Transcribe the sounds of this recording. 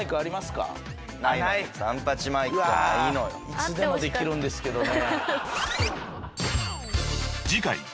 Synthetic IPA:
ikɯaɾʲimasɨ̥ka̰ | naiasãnt̪at͡ɕimaikɯainoit͡sɨd̪e̞mo̞d̪e̞k̪ʲiɾɯ̟̃nd̪e̞sɨ̥ke̞d̪one | d͡ʑikai

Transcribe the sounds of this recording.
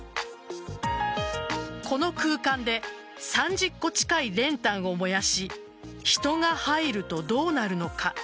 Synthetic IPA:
ko̞no̞kɯ̟ːkãnd̪e̞ | sãɲ̟d͡ʑɨkːo̞t͡ɕi̥kaiɾẽ̞nt̪ãɰ̃o̞mo̞jaɕi | çi̥t̪o̞ŋahaiɾɯ̟t̪o̞d̪o̞ːnaɾɯ̟no̞ka

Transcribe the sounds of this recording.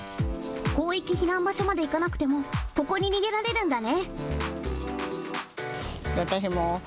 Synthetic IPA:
ko̞ːikʲiçinãmbaɕo̞mad̪e̞ikanakɯ̟̥t̪e̞mo̞ko̞ko̞ɲ̟iɲ̟iɡe̞ɾaɾe̞ɾɯ̟̃nd̪ane̞ | βat̪aɕ̬imo

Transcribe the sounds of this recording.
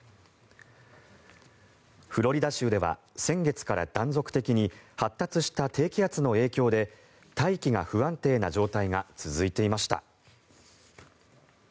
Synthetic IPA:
ɸɯ̟ɾo̞ɾʲid̪aɕɨːd̪e̞βa̰sẽ̞ŋɡe̞t͡sɨ̥kaɾa̰d̪̥ãnzo̞kɯ̟̥t̪e̞kʲiɲ̟ihat̪ːat͡sɨɕi̥t̪at̪ʰe̞ːkʲiat͡sɨno̞e̞ːkʲo̞ːd̪e̞ | t̪aikʲiɡa̰ɸɯ̟βãnt̪e̞ːnaʑo̞ːt̪aiŋat͡sɨzɨit̪e̞imaɕi̥t̪a̰

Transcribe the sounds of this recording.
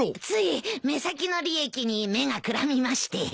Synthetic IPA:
t͡sɨime̞sakʲino̞ɾʲie̞kʲiɲ̟ime̞ŋakɯ̟ɾamʲimaɕi̥t̪e̞

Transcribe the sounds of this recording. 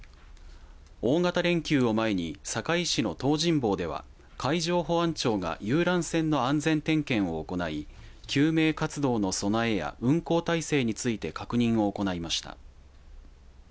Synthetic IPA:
o̞ːŋat̪aɾẽ̞ŋkʲɨːo̞mae̞ɲ̟isakaiɕino̞t̪o̞ːʑĩmbo̞ːd̪e̞β̞a̰ | kʰaiʑo̞ːɦo̞ãɲt͡ɕo̞ːɡa̰jɯːɾãɰ̃sẽ̞nːo̞ãnd͡zẽ̞nt̪ẽ̞ŋkẽ̞ɰ̃o̞ːko̞naikʲɨːme̞ːkat͡sɨd̪o̞ːno̞so̞nae̞ja̰ʔɯ̟̃ŋko̞ːt̪aise̞ːɲ̟it͡sɨit̪e̞kakɯ̟ɲ̟ĩɰ̃o̞ːko̞naimaɕi̥t̪a̰

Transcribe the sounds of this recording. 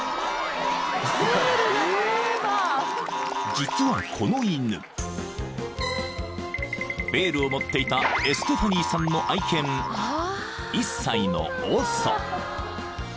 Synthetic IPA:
sepaia | d͡ʑit͡sɨβakʰo̞no̞inɯ̰ | be̞ːɾɯ̟o̞mo̞t̪ːe̞it̪ae̞sɨ̥t̪opaɲ̟ʲiːsãnːo̞ʔaikẽ̞m | isːaino̞̰oːso̰

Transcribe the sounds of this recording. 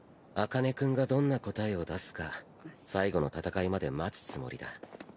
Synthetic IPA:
akane̞kɯ̟̃ŋɡad̪õ̞nːako̞t̪aeo̞d̪asɨ̥ka | saiɡo̞no̞t̪at̪akaimad̪e̞mat͡sɨ̥t͡sɨmo̞̰ɾʲid̪a

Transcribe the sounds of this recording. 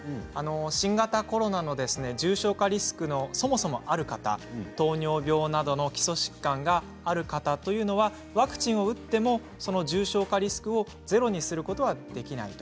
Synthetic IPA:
ano̞ɕĩŋɡat̪ako̞ɾo̞nano̞d̪e̞sɨne̞d͡ʑɨːɕo̞ːkaɾʲisɨ̥kɯ̟no̞so̞mo̞so̞mo̞ʔaɾɯ̟kat̪a̰t̪o̞ːɲo̞ːbʲo̞ːnad̪o̞no̞kʲi̥so̞ɕi̥kːãŋɡaː | ɾɯ̟kat̪at̪o̞jɯ̟ːno̞βa | βakɯ̟̥t͡ɕĩɰ̃o̞ɯ̟t̪ːe̞mo̞ | sono̞ʑɨːɕo̞ːkaɾʲisɨ̥kɯ̟o̞ | ze̞ɾo̞ɲ̟isɨɾɯ̟ko̞t̪o̞ad̪̥e̞kʲina̰it̪o̥

